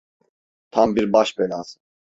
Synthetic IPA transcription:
t̪ʰambiɾbaʃbɛlʲaz

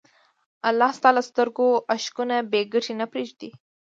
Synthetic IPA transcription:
alːɑst̪ɑlast̪əɾɡoʔaʃkunabeɡəʈʰinapɾeʒd̪i

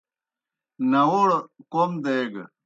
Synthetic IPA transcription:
nɐwoɽkomd̪eɡ

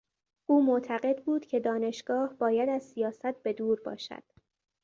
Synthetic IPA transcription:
ʔuːmoʔt̪ʰæɢe̞d̪buːd̪̥cʰe̞d̪ɒːne̞ʃɡ̥ɒːhbɒːjæd̪æzsijɒːsæt̪̚be̞d̪uːɾbɒ̰ːʃæ̰d̪̥

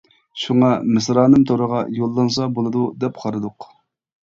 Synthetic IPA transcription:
ʃuŋɑmɪsɾɑːnɨmt̪ʰoɾəʁɑjolˠːɑns̬ɑbolˠɨd̪ud̪ɛpqʰɑɾɨd̪ʊq

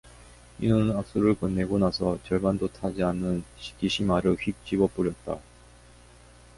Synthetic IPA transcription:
inɯnak̚s͈uɾɯɭkʌnːe̞ɡonasʰʌt͡ɕʌɭbandotʰad͡ʑianːɯnɕi̥k͈iɕʰimaɾɯɭɸik̚t͡ɕ͈ibʌp͈uɾjʌt̚t͈a

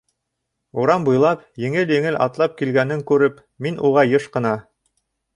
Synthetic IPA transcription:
uɾɑmbŭjlˠɑpjɘ̆ŋɘljɘ̆ŋɘlʔɑ̰t̪lˠɑp̚kilɡænɘŋkʉɾɘp | minʔuʁɑjɤʃqɤ̆nɑ

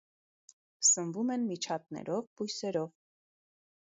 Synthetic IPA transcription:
sənvumɛnmit͡ʃʰɑt̪̚nɛ̰ɾɔvpujsɛɾɔv

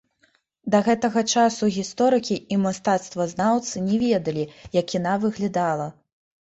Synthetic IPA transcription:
d̪ɐɣɛt̪ɐɣɐt͡ʂasuɣʲist̪ɔɾɨkʲiimast̪at̪st̪vɐznawt̪sɨnʲɛvʲɛd̪ɐlʲijɐkinavɨɣlʲad̪alˠɐ

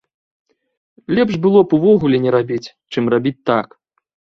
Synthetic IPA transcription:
lʲɛpʂbɨlˠɔpuvɔɣulʲɛnʲɛɾabʲit͡sʲ | t͡ʂɨmrabʲit͡sʲt̪ak

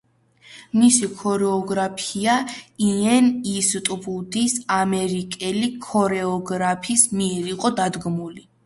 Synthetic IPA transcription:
misikʰɔɾɛɔɡɾapʰiaiɛnist̪ʼbud̪isamɛɾikʼɛlikʰɔɾɛɔɡɾapʰismiɛɾiqʼɔd̪ad̪ɡmuli

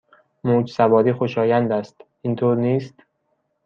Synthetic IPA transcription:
moːd͡ʒsæbɒːɾiːxoʃɒːjænd̪æst̪ʔint̪ʰoːɾniːst̪

